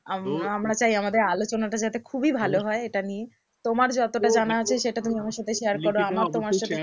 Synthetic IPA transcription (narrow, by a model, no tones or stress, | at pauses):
aamɾat͡ɕajamad̪eɾalot͡ɕonaʈad͡ʑat̪ekʰubibʱaloɦɔeeʈanie | t̪omaɾd͡ʑɔt̪oʈad͡ʑanaat͡ɕʰeʃeʈat̪umiamaɾʃat̪ʰeʃeaɾkoɾoamaɾt̪omaɾʃat̪ʰe